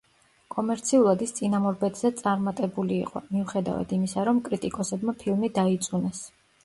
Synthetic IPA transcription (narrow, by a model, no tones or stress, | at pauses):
kʼɔmɛɾt̪sʰiulˠad̪ist̪sʼinamɔɾbɛd̪zɛt̪sʼaɾmat̪ʼɛbulḭːqʼɔ̰miuχɛd̪a̰va̰d̪imisaɾɔmkʼɾit̪ʼikʼɔsɛbmapʰilˠmid̪ait̪sʼunɛs